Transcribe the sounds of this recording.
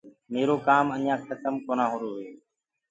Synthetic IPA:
meːɾoːkaːmənjãːkʰət̪əmkoːnãːɦoːɾoːɦeː

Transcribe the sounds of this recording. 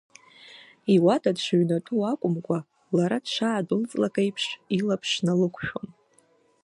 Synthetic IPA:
iwatʰʼadʂʷɥnatʼuakʷʼʊmkʷʼa | laɾad̥ʃʰʷaːdɨlt͡sʼlakʼajpʰʂilapʰʂnalɨkʷʰʃᶣom

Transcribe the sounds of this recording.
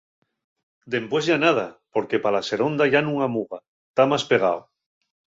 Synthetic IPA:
d̪e̞mpwe̞zʝanað̞apo̞ɾke̞palase̞ɾo̞nd̪aʝanũŋamuɣa | t̪amaspeɣ̞a̰w

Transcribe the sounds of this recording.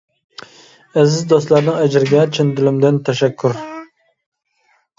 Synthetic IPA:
æzɪzd̪ost̪laɾnɪŋæd͡ʒɪɾɪɡʲɛt͡ʃʰɪnd̪ʊlɪmd̪ɪnt̪ʰæʃækʰʲːʊɾ

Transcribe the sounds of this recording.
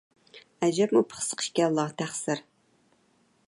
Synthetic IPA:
æd͡ʒɛpmupʰə̥χsə̥qʰə̥ʃkʲɛlˠːɑt̪ʰæχsɪɾ

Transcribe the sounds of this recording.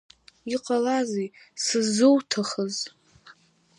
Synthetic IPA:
iqʼalazejsɨzɨwtʰaχəz

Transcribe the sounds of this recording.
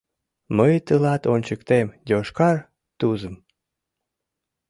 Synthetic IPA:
məjt̪əlɑt̪onʲt͡ɕəkt̪emjʲoʃkɑr | t̪uzəm

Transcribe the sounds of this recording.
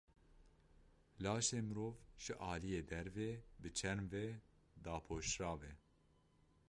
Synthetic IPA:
lɑːʃeːmɨɾoːvʒ̥ɨʔɑːlijeːd̪ɛɾveːbɨt͡ʃʰɛɾmvɛ | d̪ɑːpʰoːʃɾɑːvɛ

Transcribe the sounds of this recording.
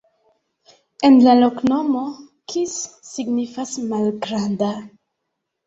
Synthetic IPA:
enlaloknomo | kʰisː | iɡnifasmalɡɾanda

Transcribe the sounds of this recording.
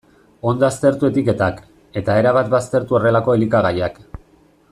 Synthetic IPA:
o̞nd̪oast̪e̞ɾt̪ue̞t̪ike̞t̪ak | e̞t̪ae̞ɾaβat̪bast̪e̞ɾt̪uo̞re̞lako̞e̞likaɣajak

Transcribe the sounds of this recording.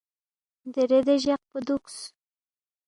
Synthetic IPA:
d̪əɾed̪eʒaq̚pəd̪uks

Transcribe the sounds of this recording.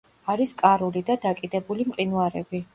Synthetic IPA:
aɾiskʼaɾulid̪ad̪akʼid̪ɛbulimqʼinuaɾɛbi

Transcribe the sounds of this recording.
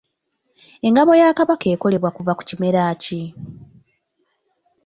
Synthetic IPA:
e̞ŋɡaβo̞jaːkaβake̞ːko̞le̞βwakuvaku̥cime̞ɾaːci

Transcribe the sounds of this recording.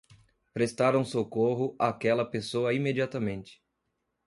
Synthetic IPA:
pɾest̪aɾũsokoɦʊʔakɛlɐpesoɐimed͡ʒiat̪ɐmẽnt͡ʃɪ̥

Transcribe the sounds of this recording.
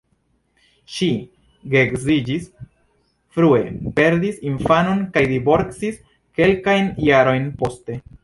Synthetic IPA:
ʃi | ɡekzid͡ʒis | fɾue̞̰pe̞ɾdisinfano̞nkajdivo̞ɾt͡sis | ke̞lkajnjaɾo̞jnpo̞ste̞

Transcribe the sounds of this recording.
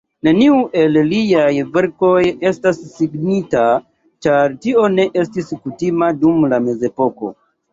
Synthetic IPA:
ne̞niuʔe̞lliajve̞ɾko̞je̞stasːiɡnita | t͡ʃaɾtio̞ne̞ʔe̞stiskutimadumlame̞ze̞po̞ko̞̰

